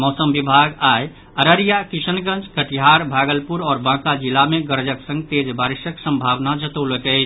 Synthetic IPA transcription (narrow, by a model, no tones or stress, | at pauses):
mɔsəmbibʱaɡaj | əɾəɾijakisənɡə̃nt͡ʃkəʈiɦaɾbʱaɡəlpuɾɔːɾbãkad͡ʒilameɡəɾd͡ʒəksə̃ŋɡ̚t̪ed͡ʒbaɾisəksə̃mbʱaʋnad͡ʒət̪əwləkəɪt͡ʃʰ